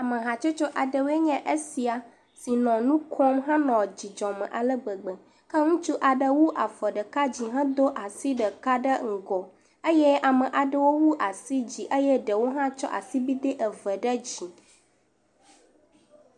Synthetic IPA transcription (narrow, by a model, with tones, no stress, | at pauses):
a˨mə̃˨ɦã˨t͡ʃo˦t͡ʃɔ˦ʔa˨ɖə˨we˦ɲɛ̃˦ʔə˦si˨a˨ | si˨nɔ̃˨nũ˦kʰɔ˦mɦã˦nɔ̃˨d͡ʑi˨d͡ʒɔ̃˨mə̰̃˨ʔa˨lə˦ɡ͡bə˨ɡ͡bə˨ | kə˦ŋũ˦t͡ʃu˦ʔa˨ɖə˨wu˦ʔa˨fə˨ɖə˨ka˦d͡ʑi˨ɦã˦d̪o˦ʔa˨si˦ɖə˨ka˦ɖə˦ŋ̩˨ɡɔ˨ | ə˦jɛ˦ʔa˨mə˨ʔa˨ɖə˨wo˦wu˦ʔa˨si˦d͡ʑi˨ʔə˦jɛ˦ɖə˨wo˦ɦã˦t͡ʃɔ̰˦ʔa̰˨si˦bi˦d̪ə˦ʔə˨və˨ɖə˦d͡ʑi˨